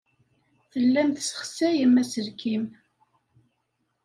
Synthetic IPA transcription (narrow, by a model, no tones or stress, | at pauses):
θəlːæmθsə̥χsæjəmːæsəɾkʰim